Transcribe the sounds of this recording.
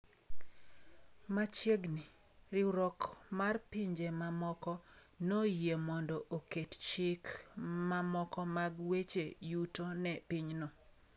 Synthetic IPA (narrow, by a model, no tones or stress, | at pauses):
mat͡ʃjeɡni | rɪɾɔkmarpiɲd͡ʒemamɔkɔ | nojemɔndɔʔokett͡ʃɪkmamɔkɔmaɡwet͡ʃejutonɛpiɲnɔ